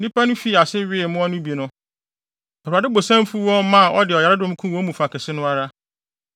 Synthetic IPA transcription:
nĩ˦pʰa˦nʊ̃˦fi˦˨a˨sɪ˦ɥɪ˦˨mʊ̃˦ɔ˦nʊ̃˦bi˨e˨nʊ̃˦ | ɛ˨u˨a˨dɪ˦bo˨sã˦m˦fu˦wɔ̃˦mmã˦˨ʔɔ˦dɪ˨ɔ˨ja˨ɾɪ˦dʊ̃˦m˦kʰũ˦wɔ̃˦mũ˨fa˨kʰɪ˨sɪ˦nʊ̃˦a˦ɾa˦

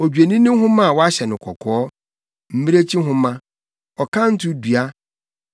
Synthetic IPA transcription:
ɔ˨d͡ʑᶣe˨nĩ˦nʊ̃˦m˦ɦʊ̃˦mã˦˨wɔ˦a˦ɕɛ˨nʊ̃˨kʰɔ˨kʰɔː˦ | m̩˦mi˦ɾe˦t͡ɕʰi˦ɦʊ̃˦mã˦ | ɔ˨kʰã˦n̩˦tʰʊ˦dɥa˦

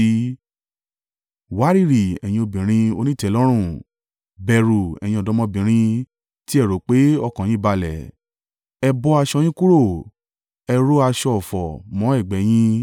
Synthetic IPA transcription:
wa˨˦ɾi˦˨ɾi˨ɛ̰˨j̃ĩ˧o˧bĩ˨ɾ̃ĩ˧o˧nĩ˦˨tɛ˨˦lɔ˦ɾ̃ũ˦˨ | bɛ˧ɾu˨ɛ̰˨j̃ĩ˧ɔ˧˨dɔ˨˦mɔ̃˧bĩ˨ɾ̃ĩ˧ | ti˦ɛ˦˨ɾo˨˦k͡pe˦ɔ˧kã˨jĩ˦i˦˨ba˧lɛ̰˨ | ɛ˧bɔ˧˦a˧ʃɔ˧j̃ĩ˦ku˦ɾo˦˨ | ɛ˧ɾo˦a˧ʃɔ˧ɔ˨fɔ˨mɔ̃˨˦ɛ˦˨ɡ͡bɛ˨˦j̃ĩ˦

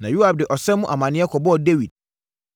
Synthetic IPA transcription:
nã˨ju˦a˨b̚dɪ˨ʔɔ˨sɛ˦mʊ̃˦ʔa˨mã˨nɪ̃˦ɛ˦kʰɔ˨bɔ˦ɔ˨de˦wi˨d̚

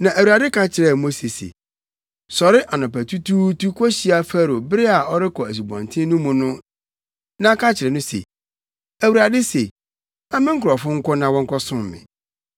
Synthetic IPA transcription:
nã˨ʔæ˨wu˨ɾa˨dɪ˦kʰã˦t͡ɕʰɪ˨ɾɛ˨mo˦se˨sḛ˨ | sɔ˨ɾɪ˦ʔa˨nɔ̃˨pæ˨tʰu˦tʰuː˦tu˦kʰɔ˦ɕi˦a˨fæ˦ɾo˨bɪ˦ɾɪ˦a˨ɔ˦ɾɪ˦kʰɔ˨æ˨s̬u˨bɔ̰̃˨n˨tʰɪ̃˦nʊ̃˦mũ˨nʊ̃˦ | nã˦kʰã˦t͡ɕʰɪ˨ɾɛ˨nʊ̃˦sḛ˨ | æ˨wu˨ɾa˨dɪ˦se˨ | a˦mɪ̃˦ŋ̩˦kʰʊ˨ɾɔ˨fʊ̃˦ŋ̩˦kɔ˦nã˦wɔ̃˦ŋkʰɔ˦sʊ̃˦m˨mɪ̰̃˨

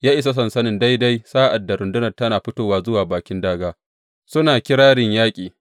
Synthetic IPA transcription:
jaː˦ʔɪ˨s̬a˦s̬ɐ˨nsɐ˦nɪ˨nda˦jda˦jsaː˦ʔa˨dːa˨ɾʊ˨ndʊ˦nɐ˨rtɐ˦naː˨ɸɪ˦toː˦˨waː˨zʊ˦waː˨baː˨kʲɪ˦ndaː˦ɡaː˦ | sʊ˦naː˨kʲɪ˦ɽaː˦ɽɪ˨ɲjaː˦kʲʼiː˨

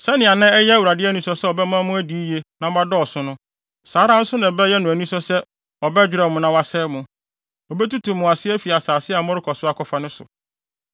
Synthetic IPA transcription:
sɛ˦nɪ̃˨a˨nã˦ɛ˦jɛ˦æ˦˨wu˨ɾa˨dɪ˦æ˦nũ˦sɔ˨˦sɛ˦ɔ˨bɛ˦mã˦mʊ̃˦æ˦di˨˦je˦nã˨˦a˦dɔ˦ɔ˨sʊ̃˦nʊ̃˦ | saː˨˦ɾã˦n̩˦sʊ˦nã˨bɛ˦jɛ˦nʊ̃˨æ˨nĩ˦sɔ˦sɛ˦ | ɔ˨bɛ˦d͡ʑᶣɾɛ˦˨mʊ̃˨nã˨wa˨sɛː˦mʊ̃˦ | ɔ˨bɛ˦tu˦tʰũ˨mʊ̃˨a˨sɪ˦æ˦fi˨a˨saː˨sɪ˦a˨˦mʊ̃˦ɾɪ˦kʰɔ˨sʊ˦a˦kʰɔ˨fa˦nʊ̃˦sʊ̰˨

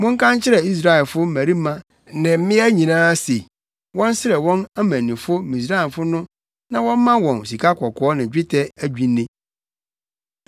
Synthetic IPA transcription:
mʊ̃˦ŋ̩˦kʰã˦nt͡ɕʰɪ˦ɾɛ˨i˦s̬ɾa˦ɛ˨lfʊ˦m̩˦mæ̃˨ɾi˦mã˦ | nɪ̃˨m̩˦mɪ̃˦æ˦ɲĩ˨nãː˦se˨ | wɔ̃˦n˦sɪ˦ɾɛ˨wɔ̃˦næ˦mæ̃˨nĩ˨fʊ˦mĩ˨s̬ɾa˦ɛ˨fʊ˦nʊ̃˦ | nã˨wɔ̃˦m˦mã˦wɔ̃˨n˨si˨kʰa˦kʰɔ˨kʰɔː˦nɪ̃˨d͡ʑᶣɪ˦tʰɛ˦æ˦d͡ʑᶣi˨˦nːɪ̃˦

